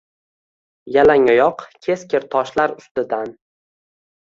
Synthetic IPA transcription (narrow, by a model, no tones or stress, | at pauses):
jalaŋɒjɒqkʲʰe̞skʲʰɪɾt̪ʰɒʃlaɾʊst̪ɪd̪an